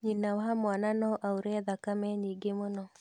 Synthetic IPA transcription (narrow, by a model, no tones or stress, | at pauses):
ɲinawɦamwananɔʔauɾɛðakamɛɲiɡemonɔ